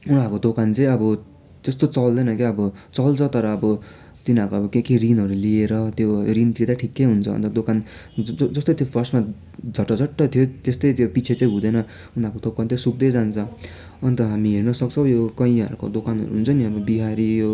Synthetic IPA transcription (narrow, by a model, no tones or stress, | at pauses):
unakod̪okant͡sʌĩʌbʌ | d͡zʌst̪ot͡sʌld̪ʌnʌkeʌbʌt͡sʌlt͡sʰʌt̪ʌɾʌːbʌ | t̪inakoʌbʌkekirinɦʌɾulieɾʌt̪joɾint̪id̪aʈʰikːejɦunt͡sʰʌ̰nt̪ʌd̪okand͡zʌst̪ot̪jopʰʌrsma | d͡zʱʌʈːʌd͡zʱʌʈːʌt̪ʰijot̪est̪ʌjt̪jopit͡sʰet͡sʌĩɦud̪ʌjnʌ | unakot̪okant̪josuk̚d̪ʌjd͡zant͡sʰʌ | ʌnt̪ʌɦamiɦernʌsʌkt͡sʰʌw̃jokʌĩʌ̰ɾuko̰d̪okanɦʌ̰ɾuɦunt͡sʰʌniʌbʌbiɦaɾijo